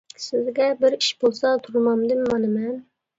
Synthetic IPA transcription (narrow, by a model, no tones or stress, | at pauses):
sɪzɡʲɛbɪɾiʃbolˠsɑt̪ʰuɾmɑmd̪ɨmːɑnɨmɛn